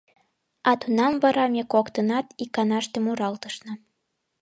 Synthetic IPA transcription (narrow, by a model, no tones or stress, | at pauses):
ɑt̪unɑmvəɾɑmʲekokt̪ənɑt̪ikɑnɑʃt̪əmuɾɑlt̪əʃnɤ̆